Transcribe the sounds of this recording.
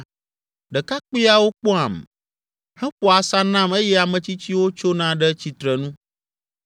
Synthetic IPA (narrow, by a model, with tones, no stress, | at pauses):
ɖɛ˨ka˦k͡pi˦a˦wo˦k͡pɔ˦a˨m | hɛ˦ɸɔ˨a˨sa˦nã˦me˦jɛ˦a˨mɛ̃˨t͡ɕi˦t͡ɕi˦wo˦t͡ʃo˦nã˦ɖɛ˦t͡ɕi˨t̪ɾɛ˨nũ˦